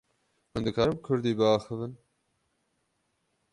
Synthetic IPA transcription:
hʊnd̪ɨkʰɑːɾɨmkʰʊɾd̪iːbɨɑːxɨvɨn

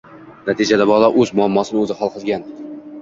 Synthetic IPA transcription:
nat̪ʰid͡ʒad̪abɒlˠaʔɵzmʊamːɒsɪnɪɵzɪχɒlˠqʰɨzɡʲan

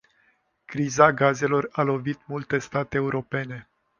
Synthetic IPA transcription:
kɾizaɡaze̞lo̞ralo̞vit̪mult̪e̞st̪at̪eːuɾo̞pe̞ne̞

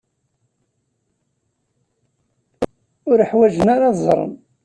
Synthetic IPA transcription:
ʊɾəħwæʒənaɾɑðzˤɾˤə̰n

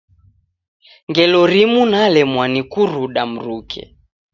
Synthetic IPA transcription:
ŋɡɛlɔɾimunalɛmwanikuɾuɗam̩ɾukʰɛ̰

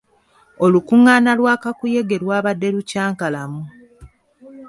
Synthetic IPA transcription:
o̞lukuŋːaːnalwaːkakuje̞ɡe̞lwaːβadːe̞lucaːŋkalamu

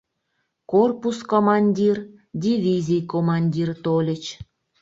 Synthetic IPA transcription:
korpuskomɑnʲdʲir | dʲivʲizʲijkomɑnʲdʲirt̪olʲə̆t͡ɕ

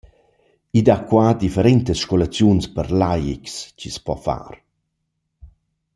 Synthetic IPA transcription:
id̪akwad̪ifəɾɛnt̪əsʃkɔlat͡sjunspəɾlajḭkscispɔ̰fa̰ɾ

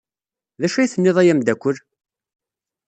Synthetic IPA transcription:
ðæʃæjiθənːɪðˤæjæmd̪ækʷːəl

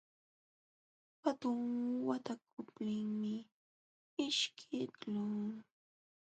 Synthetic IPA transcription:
hat̪ʊŋwat̪ak̚ʊpnɪŋmɪ | ɪʃkʰɪtlʊŋ

